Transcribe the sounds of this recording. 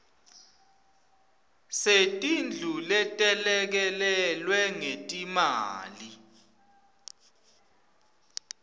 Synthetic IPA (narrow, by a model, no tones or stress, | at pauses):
setʼind͡ɮʱulɛtʼɛlɛk̬ɛlɛlwɛŋetʼimaːli